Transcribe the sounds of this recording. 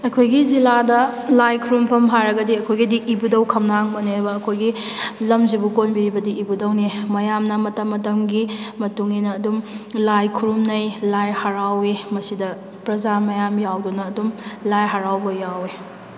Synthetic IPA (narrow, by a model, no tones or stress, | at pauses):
ɐkʰojɡiziladɐlajkʰuɾumpʰɐmɦajɾɐɡɐdiɐkʰojɡidiʔibudɐwkʰɐmnaŋbɐneɾbɐːkʰojɡi | lɐmzibukonbiɾibɐdiːbudɐwnimɐjamnɐmɐtɐmːɐtɐmɡimɐtuŋninɐːdumlajkʰuɾumnɐjlajhaɾawemɐsidɐ | pɾɐzamɐjamjawdunɐːdumlajɦaɾawbɐjawe